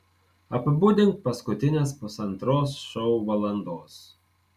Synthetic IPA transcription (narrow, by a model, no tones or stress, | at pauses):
ɐpʲbuːd̪ʲɪnt̪̚pɐskʊt̪ʲɪnʲeːspʊsɐnt̪ɾoːsʃɔʊʋɐlˠɐnd̪oːs